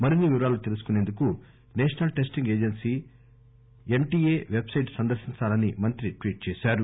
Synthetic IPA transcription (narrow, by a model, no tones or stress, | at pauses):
mɐɾinːiʋiɾaːlut̪e̞lus̬u̥kune̞ːnd̪uku | neːʂɐnɐlʈeːsʈiŋɡe̞ːd͡ʒensiː | eɳʈiːeːʋe̞bsɐjʈsɐnd̪ɐɾʃiɲt͡ʃaːlɐnimɐnt̪ɾiʈʋiːʈ̚t͡ʃɛːʃaːɾu